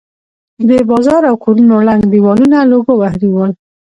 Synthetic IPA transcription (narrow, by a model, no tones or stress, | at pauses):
bebɑzɑɾawkʰoɾunolaŋɡd̪iwɑlunaloɡowahɾiwəl